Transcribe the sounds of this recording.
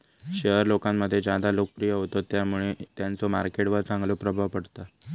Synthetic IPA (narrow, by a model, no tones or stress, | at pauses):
ɕəɦəɾlokamːəd̪ʱːjed͡ʑad̪alokəpɾijəɦot̪ot̪jamuɭet̪jant͡somaɾkeʈʋəɾt͡sãŋɡlopɾəbʱaʋpəɽt̪a